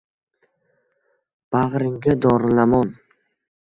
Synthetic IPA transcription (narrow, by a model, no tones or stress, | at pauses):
b̥aʁɾɪŋɡʲad̪ɒɾlamɒn